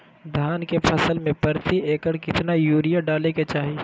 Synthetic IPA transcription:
d̪ʱjaːnkepʰɐsəlmẽpəɾt̪ieːkəɾkɪt̪najuːɾijaɖaːleket͡ʃaːɦi

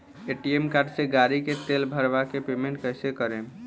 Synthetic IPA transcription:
eʈiemkaɾɖseɡaɾiket̪elbʱəɾʋakepemẽɳʈ̚kəɦsekəɾẽ

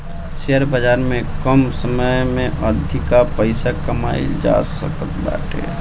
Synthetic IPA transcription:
sejəɾbəd͡ʒaːɾmẽkəmsəməmẽʔəd̪ʱikapəɪsakəma̰ːḭd͡ʒa̰sə̰kət̪ba̰ːʈḛː

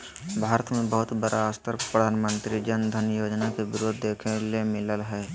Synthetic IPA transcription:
bʱaːɾət̪mẽbəɦʊt̪bəɾʔaaːst̪əɾpɾəd̪ʱaːnmə̃nt̪ɾid͡ʒənd̪ʱənjoːd͡ʒnakebɪɾoːd̪ʱːeːkʰelemɪləlɦɛː

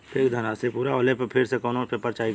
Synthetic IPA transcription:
pʰekd̪ʱənasepuːɾaoːleppʰɪɾsekɔːnõːpʰepəɾt͡ʃaːi

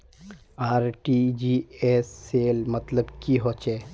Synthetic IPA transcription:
aːɾʈid͡ʒiesːeːlmɐt̪ləbkiɦoːt͡ʃeː

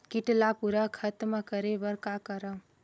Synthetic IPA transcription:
kiʈlapuɾəkʰət̪məkəɾebəɾkakəɾə

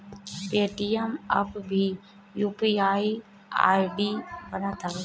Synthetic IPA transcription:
eːʈiemɐ̰pbʱi | juːpiaːi | a̰ːjɖiːbənãt̪ʰa

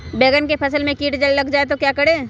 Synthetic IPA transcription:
beːɡənkepʰɐsəlmẽkiːʈd͡ʒɐllɐɡd͡ʒaːet̪okjaːkɐɽeː

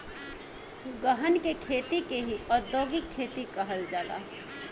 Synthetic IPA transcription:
ɡəɦənkekʰeːt̪ikeɦiɔːɾd̪oːɡikʰːeːt̪ikɐɦəld͡ʒaːla̰ː

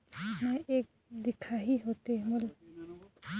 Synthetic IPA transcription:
mojek̚ | d̪ikʰaɦiɦot̪emol

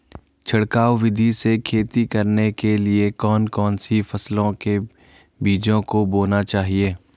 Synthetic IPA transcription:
t͡ʃʰɐɽkaːwʋɪd̪ʱisekʰeːt̪ikɐɾnekeliekɔːnkɔːnsifɐslõke | biːd͡ʒõkoboːnat͡ʃaːɦieː

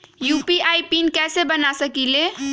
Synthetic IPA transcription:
jupiʔajpinkɛsebənasəkile

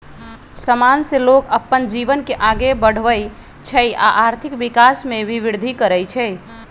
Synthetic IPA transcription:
səmanselokəpːənd͡ʒiʋənkeʔaɡebəɽ̤ʋəj | t͡ʃʰɛja̰ʔaɾt̪ʰikʋikasmẽʋiʋiɾd̪ʱikəɾəjt͡ʃʰɛ

